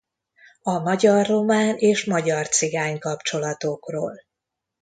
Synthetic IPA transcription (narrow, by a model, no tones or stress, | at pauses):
ɒmɒɟɒrːo̞maːneːʃmɒɟɒrt̪siɡaːɲkɒpt͡ʃo̞lɒt̪o̞kroːl